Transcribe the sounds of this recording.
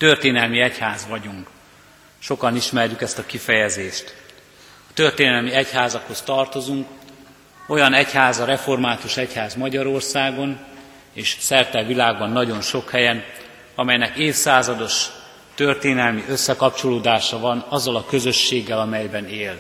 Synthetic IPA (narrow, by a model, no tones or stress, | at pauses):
t̪ørt̪eːnɛlmiɛchaːzʋɒɟuŋk | ʃo̞kɒniʃmɛrjykɛst̪ɒkifɛjɛzeːʃt̪ | ɒt̪ø̞rt̪eːnɛlmiɛchaːzɒkho̞st̪ɒrt̪o̞zuŋk | o̞jɒnɛchaːzɒɾɛfo̞rmaːt̪uʃɛchaːzmɒɟɒɾo̞rsaːɡo̞n | eːʃsɛrt̪ɛlvilaːɡ̚bɒnːɒɟo̞nʃo̞khɛjɛn | ɒmɛjnɛkeːfsaːzɒd̪o̞ʃ | t̪ørt̪eːnɛlmiʔøsːɛkɒp̚t͡ʃo̞loːd̪aːʃɒvɒnɒzːɒlɒkø̞zø̞ʃːeːɡːɛlɒmɛjbɛneːl